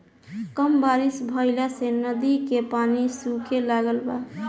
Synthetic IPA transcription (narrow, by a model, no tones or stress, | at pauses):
kəmbaɾisbʱəɪlasenəd̪ikepanisukelaɡəlba